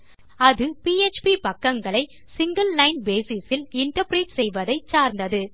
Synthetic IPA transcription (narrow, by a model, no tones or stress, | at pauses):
ɐðɯpiːet͡ʃpipɐkːɐŋɡɐɭɐɪ | sɪŋɡɐlːɐɪnbeːsɪsɪlɪɳʈɐɾpɾiːʈsɛjʋɐðɐɪt͡ʃaːɾnd̪ɐðɯ